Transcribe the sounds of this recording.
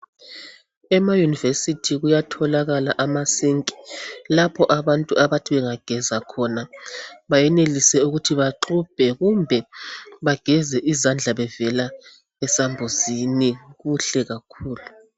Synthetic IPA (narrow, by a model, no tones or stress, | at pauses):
ɛmajunivesitʰiɣujatʰɔlaɣalaʔamasiŋkʼi̥lapʰɔʔaβantʼuaβatʰiβɛŋaɡ̥ʱɛzakʰɔnaβajɛnelisɛuɣutʰiβaǃʰub̥ʱɛɣumbʱɛβaɡ̥ʱɛzɛʔizand͡ɮʱaβɛvɛla | ɛsambʱuziniɣuɬɛɣakʰuːlu